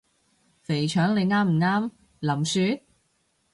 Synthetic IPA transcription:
fe˨˩jt͡ʃʰœː˨˥ŋle˨˧jŋaː˥m̩˨˩ŋaː˥m | lɐ˨˩msyː˧

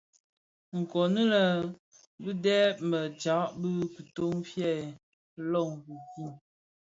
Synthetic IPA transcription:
ŋ̩˨kɔ˨nə˦lə˨ | bɨ˦dɛ˦mə˨d͡ʒa˨˦ʔbɨ˦ku˨to˦ŋfjɛ˦˨ | lɔ˦˨ŋ˨ku˨ku˦˨

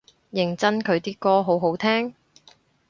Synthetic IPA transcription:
jɪ˨˩ŋt͡sɐ˥nkʰɵ˨˧ɥt̪iː˥kɔː˥ɦo˨˥wɦo˨˥wt̪ʰɛː˥ŋ

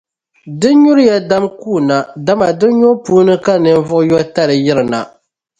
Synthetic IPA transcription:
dɨ˦ɲu˦ɾɨ˦ja˦da˦mkuː˦˨na˨da˦ma˨dɨ˦ɲo˦puː˦nɨ˦ka˦nɨ˨n˦vʊ˦ʔʊ˦jɔ˦ta˦ɾɨ˨jɪ˦ɾɨ˨na˨

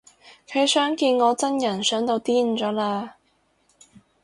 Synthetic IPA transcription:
kʰɵ˨˧˥sœː˨˥ŋkiː˧nŋɔː˨˧t͡sɐ˥njɐ˨˩nsœː˨˥ŋt̪o˧wt̪iː˥n̩˨t͡sɔː˨˥laː˧

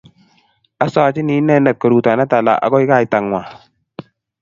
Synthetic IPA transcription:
a˦sɔ˦˨t͡ʃi˦ni˨˦nɛ˦nɛ˨t̚kə˨ɾu˨ta˨na˦ta˨la̰˨ʔa̰˨ɡɔ˦i˦ka˦˨i˨ta˨ŋwʷa˨

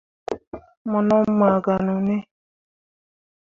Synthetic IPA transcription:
mɔ˨nɔ˦m̩˦ma˨ɡa˨nɔ˨ne˦

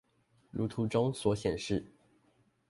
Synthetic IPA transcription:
lu˧˥t̪ʰu˧˥ʈ͡ʂʊ˥ŋswɔ˨˧˥ɕjɛ˨˩nʂɻ̩˥˩

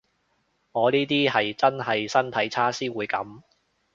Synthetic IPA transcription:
ŋɔː˨˧niː˥t̪iː˥ɦɐ˨jt͡sɐ˥nɦɐ˨jsɐ˥nt̪ʰɐ˨˧˥jt͡sʰaː˥siː˥wuː˨˧jkɐ̰˨˥m

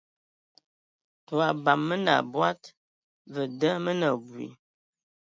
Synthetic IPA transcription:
tu˨a˨ba˨mːə˦na̰˨bwa˦t | və˨də˦mə˦nə˨bwḭ˨

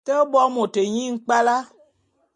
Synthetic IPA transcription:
tə˦bɔ˦mõ˨te˨ɲĩ˦ŋ̩˦k͡pa˦la˦

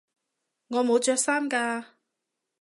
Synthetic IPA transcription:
ŋɔː˨˧mo˨˧wt͡ʃœː˧k̚saː˥nkaː˧

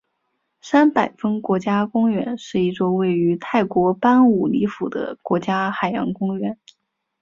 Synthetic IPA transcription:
sa˥npa˨˩ɪfə˥ŋkwɔ˧˥t͡ɕja˥kʊ˥ŋɥɛ˧˥nʂɻ̩˥˧i˥˩ʈ͡ʂo˥ʊwe˥˩ɪy˧˥t̪ʰa˥˩ɪkwɔ˧˥pa˥nu˨˩li˧˥fu˨˩d̪ə̰˦kwɔ˧˥t͡ɕja˥xa˨˩ɪjɑ̰˧˥ŋkʊ˥ŋɥɛ˧˥n

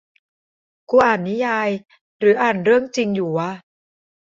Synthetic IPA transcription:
kuː˧ʔaː˨˩nːi˦˥jaː˧j | ɾɯː˩˦ʔaː˨˩nɾɯ˥˩əŋt͡ɕi˧ŋjuː˨˩wa˧˥˩

